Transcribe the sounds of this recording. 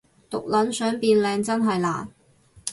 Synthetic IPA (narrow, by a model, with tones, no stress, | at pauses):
t̪ʊ˨k̚lɐ˨˥nsœː˨˥ŋpiː˧nlɛː˧ŋt͡sɐ˥nɦɐ˨jla̰ː˨n